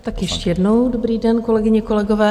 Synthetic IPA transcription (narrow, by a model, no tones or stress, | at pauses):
t̪akjɛʃcɛjɛdnowdobɾiːdɛnko̞lɛɡɪɲɛko̞lɛɡovɛː